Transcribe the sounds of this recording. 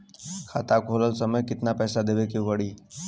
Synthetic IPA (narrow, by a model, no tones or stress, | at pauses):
kʰat̪akʰoləlsəməjkɪt̪napɛːsad̪eʋekiʋəɽiː